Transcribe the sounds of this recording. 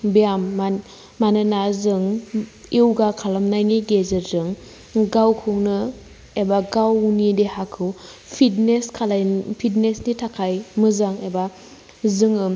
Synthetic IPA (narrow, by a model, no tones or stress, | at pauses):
bijamː | anɯnazɯŋiwɡakʰalamnajniɡezeɾzɯŋ | ɡawkʰuŋnɯ | ebaɡawunidehakʰɯw | pʰitneskʰalpʰitnesnitʰakʰajmɯzaŋeba | zɯŋɯ